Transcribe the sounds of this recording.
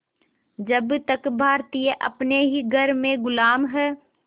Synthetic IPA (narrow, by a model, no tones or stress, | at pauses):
d͡ʒəbt̪əkbʱaːɾt̪ijəʔɐ̰pneɦiɡʱəɾmẽɡʊlaːmɦɛː